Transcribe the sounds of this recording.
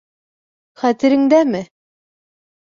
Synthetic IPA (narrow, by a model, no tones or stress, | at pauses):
χæt̪ɘ̆ɾɘ̆ŋd̪æmɘ